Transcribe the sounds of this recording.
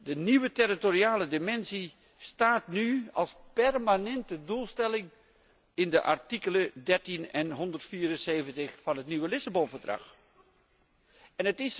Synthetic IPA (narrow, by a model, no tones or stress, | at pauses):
dəniʋətɛritoɾiaːlədɪmɛnsi | staːtnyɑ̰lˠspɛrmanɛntədulˠstɛlɪŋ | ɪndəʔɑ̰ɹtikələdɛɹtinɛnɦɔndərtfiːɾənseːjvəntəxfɑnɦətnyʋəlɪsabɔnvəɹdrɑ̰x | ɛnətɪs